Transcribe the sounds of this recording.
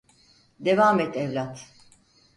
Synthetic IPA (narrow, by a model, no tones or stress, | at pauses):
d̪e̞vaːmɛt̪ɛvlʲat̪